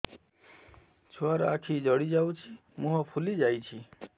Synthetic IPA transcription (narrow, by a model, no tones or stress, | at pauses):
t͡ʃʰuaɾa̰kʰid͡ʒɔɽid͡ʒawt͡ʃʰi | mũɦɔpʰulid͡ʒajt͡ʃʰi